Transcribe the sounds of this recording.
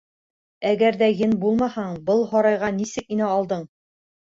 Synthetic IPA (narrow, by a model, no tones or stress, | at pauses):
æɡæɾðæjɘnbulˠmɑhɑɴbɤlˠɦɒɾɑjʁɑnisɘk̚inæɑlˠd̪ɤɴ